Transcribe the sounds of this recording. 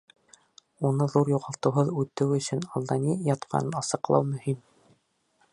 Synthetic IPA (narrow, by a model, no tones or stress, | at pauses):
unɤðuɾjuʁɑlˠt̪ɤ̆wɦɤðʉt̪ːɘwɵ̆sɵnɑlˠd̪ɑnijɑt̪qʰɑ̰nɤnɑsɤ̆qlˠɑwmɵ̆him